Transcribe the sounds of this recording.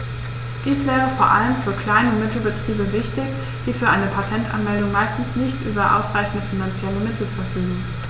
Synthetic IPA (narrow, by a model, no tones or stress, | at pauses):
d̥iːsv̥ɛːʁ̞əfoːɐʔaləmfyːɐkl̥aɪnəmɪtl̩bətʁ̥iːbəvɪçtɪç | d̥iːfyːɐʔaɪnəpʰatʰɛntʔa̰nmɛldʊŋmaɪstn̩snɪçtʔyːbɐʔa̰ʊsʁaɪçn̩dəfinant͡sjɛləmɪtʰl̩fɛɐfyːɡəŋ̩